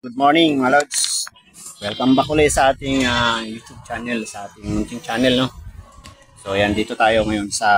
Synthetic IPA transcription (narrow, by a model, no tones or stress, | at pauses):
ɡud̪̚moɹnɪŋmalowts | wɛlkɐmbɐkʊlɐjsɐʔaːt̪ɪŋajuːt͡ʃ̪ub̚t͡ʃaːnɛlsɐʔaːt̪ɪŋmɪnt͡ʃɪnt͡ʃaːnɛlno | sojɐnd̪iːt̪ot̪aːjo̞ŋɐjo̞nsɐ